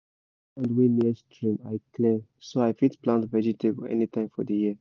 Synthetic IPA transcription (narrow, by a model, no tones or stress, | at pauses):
ãndwĩnistɹĩmaɪklẽmsoaɪfĩtplãntvɛd͡ʒitʰeboɛ̰nitʰãɪ̃mfɔ̰dəjiə